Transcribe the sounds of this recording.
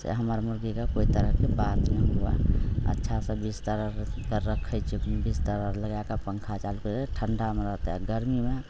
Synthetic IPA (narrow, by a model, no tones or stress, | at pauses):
sḛɦəməɾmʊɾɡikakoːit̪əɾəɦkebat̪nəɦua̰ə̰tːʃʰasebist̪əɾəɾkəɾəkʰət͡ʃuknbist̪əɾəɾləɡakapəŋkʰat͡ʃalkoeʈʰəɳɖameɾəɦt̪ɦɛɡəɾmime